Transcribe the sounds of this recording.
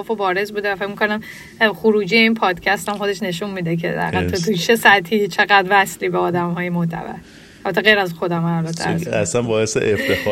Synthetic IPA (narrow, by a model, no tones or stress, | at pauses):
fobɒːɾe̞zbuːd̪evæfecʲmikʰo̞næm | xuɾuːd͡ʒijeiːnpʰɒːd̪̥cʰæst̪æmxo̞d̪eʃne̞ʃunmiːd̪ekʰḛd̪æ̰hɡæt̪ʰut̪ʰut͡ʃʰesæt̪ʰiːt͡ʃʰeɣæd̪væsliːbeɒːd̪æmhɒːjemoht̪ʰæ̰bæ̰ɾ | ælbæt̪ʰːeɣejɾæzxo̞d̪æmælbæt̪ʰːḛæ̰æsænbɒːesḛʔeft̪ʰef